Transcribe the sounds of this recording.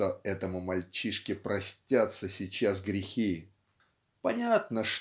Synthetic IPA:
oɛt̪əmʊmɐlʲt͡ɕiʂkʲɪpɾɐsʲtʲat̪səsʲɪt͡ɕas̬ɡɾʲɪxʲi | pɐnʲat̪nəʂ

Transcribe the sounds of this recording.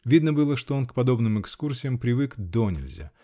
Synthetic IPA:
vʲid̪nəbɨlˠəʂt̪o̞onkpɐd̪o̞bnɨmɨkskursʲɪjəmpɾʲɪvɨkd̪onʲɪ̰lʲzʲa̰

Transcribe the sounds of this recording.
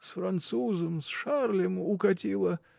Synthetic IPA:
sfɾɐnt̪suzəmsʂarlʲɪmʊkɐtʲilˠə

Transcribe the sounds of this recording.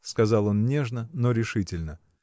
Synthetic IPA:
skɐzɑlˠo̞nnʲeʐnəno̞ɾʲɪʂɨtʲɪlʲnə

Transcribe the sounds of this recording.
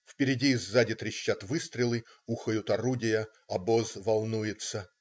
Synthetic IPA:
fpʲɪɾʲɪdʲiːzːadʲɪt̪ɾʲɪɕːat̪vɨst̪ɾʲɪlˠɨ | uxəjʊt̪ɐɾudʲɪjə | ɐbozvɐlˠnujɪt̪sə

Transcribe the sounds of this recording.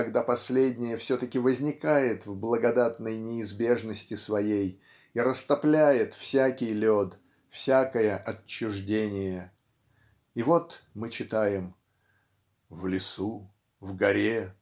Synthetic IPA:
ɐɡd̪apɐsʲlʲedʲnʲɪjəfsʲot̪əkʲɪvəzʲnʲɪkajɪt̪vblˠəɡɐd̪at̪nəjnʲɪɪzbʲe̞ʐnəsʲtʲɪsvɐjej | iɾəst̪ɐplʲæjɪt̪fsʲækʲɪjlʲod̪ | fsʲakəjəʔɐt͡ɕːʊʐdʲenʲɪjə | ivo̞t̪mɨt͡ɕɪt̪ajɪm | vlʲɪsu | vɡɐɾʲe

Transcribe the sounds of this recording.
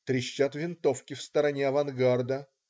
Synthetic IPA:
t̪ɾʲɪɕːat̪vʲɪnt̪o̞fkʲɪfst̪əɾɐnʲeɐvɐnɡard̪ə

